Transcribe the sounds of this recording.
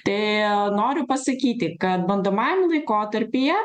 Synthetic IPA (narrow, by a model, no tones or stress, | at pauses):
t̪ɐɪnoːɾʲʊpɐsɐkʲiːt̪ʲɪkɐt̪̚bɐnd̪oːmɑjɛmʲɪlˠɐɪkoːt̪ɐɾʲpʲijɛ